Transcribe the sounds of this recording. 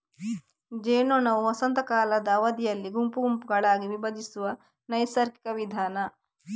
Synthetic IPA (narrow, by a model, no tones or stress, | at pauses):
d͡ʒeːnoːnɐuɐsɐnt̪ɐkaːlɐd̪ɐɐʋɐd̪ijɐlːiɡumpuɡumpuɡɐɭaːɡiʋibɐd͡ʒ̪isuʋɐ | nɐjsɐɾki̥kɐʋid̪ʱaːnɐ